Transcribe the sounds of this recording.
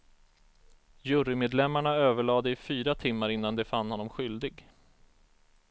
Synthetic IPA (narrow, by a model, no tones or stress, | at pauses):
jɵɾɪmeːd̪lɛmːaɳaøːvəɭɑːd̪əɪfyːɾat̪ʰɪmːaɾɪnːand̪ɛfanːhɔnːɔmɧʏld̪ɪɡ